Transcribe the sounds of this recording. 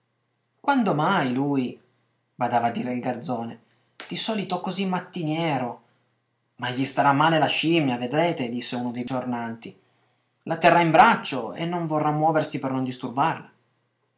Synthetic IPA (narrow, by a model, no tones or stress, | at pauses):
kwand̪omajluːj | bad̪aːvad̪ːiːɾeilɡard̪zɔːne | d̪̥isɔːlit̪oɛkːozimːat̪ːinjɛːɾo | maʎːist̪aɾamːaːlelaʃimjaved̪ɾeːt̪ed̪isːeuːnod̪ejd͡ʒornant̪i | lat̪ːerːaimbɾat͡ʃːoḛnːoɱvorːamːwɔːversipernond̪ist̪urbarla